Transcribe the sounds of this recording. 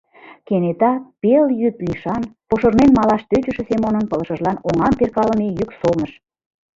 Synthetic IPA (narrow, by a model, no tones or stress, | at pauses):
kenet̪ɑpeljypliʃɑnpoʃə̆rmenmɑlɑʃt̪øt͡ɕəʃĕsemonənpɤ̆lə̆ʃə̆ʒlɑnoŋɑmperkɑlə̆mejyksolnəʃ